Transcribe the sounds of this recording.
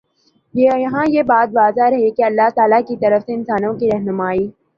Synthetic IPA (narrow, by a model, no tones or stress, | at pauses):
jejɐɦãjebaːt̪ʋaːzaɾɐɦekeɐlːaɦt̪aːlakit̪ɐɾəfseɪnsaːnõkiɾɐɦnʊmaːiː